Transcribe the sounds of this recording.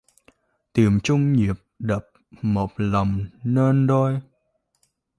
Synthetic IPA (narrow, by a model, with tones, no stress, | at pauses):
t̪i˧˩əmt͡ɕʊ˧ŋ͡mɲi˨˩əp̚ɗə˨˩p̚mo˨˩t̚lə˨˩wŋ͡mneː˧nɗo˧j